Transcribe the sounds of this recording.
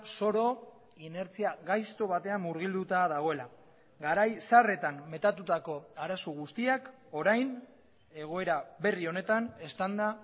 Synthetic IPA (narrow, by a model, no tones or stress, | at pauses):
so̞ɾo̞ | ine̞ɾt͡siaɣajst̪o̞β̞at̪e̞amːuɾɣ̞ild̪ut̪aðaɣ̞o̞ela | ɡaɾajsare̞t̪amme̞t̪at̪ut̪ako̞aɾasoɣ̞ust̪iak | o̞ɾajn | e̞ɣ̞o̞e̞ɾabe̞rio̞ne̞t̪ane̞st̪and̪a